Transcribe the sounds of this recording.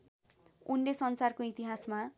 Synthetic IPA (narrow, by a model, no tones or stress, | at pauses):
unlesʌnsarkoit̪iɦasma